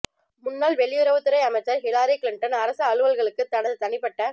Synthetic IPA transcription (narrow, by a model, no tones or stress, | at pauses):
mʊnːaːlʋɛɭːɪjʊɾɐʋɯt̪ːɯɾɐɪɐmɐt͡ʃːɐɾɦɪlaːɾiklɪɳʈɐnɐɾɐsɐːɭɯʋɐlɣɐɭɯkːɯt̪ːɐɳɐðɯt̪ɐɳɪpːɐʈːɐ